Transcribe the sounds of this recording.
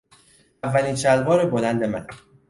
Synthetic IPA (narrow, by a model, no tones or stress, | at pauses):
ævːæliːnt͡ʃʰælbɒːɾebolænd̪e̞mæn